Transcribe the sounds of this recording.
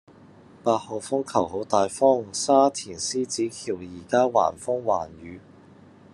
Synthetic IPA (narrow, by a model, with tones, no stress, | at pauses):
paː˧t̚hɔː˨˩fʊ˥ŋkʰɐ˨˩who˨˥wt̪aː˨jfɔː˥ŋsaː˥t̪ʰiː˨˩nsiː˥t͡siː˨˥kʰiː˨˩wjiː˨˩kaː˥wa̰ː˨˩nfʊ˥ŋwaː˨˩nɥyː˨˧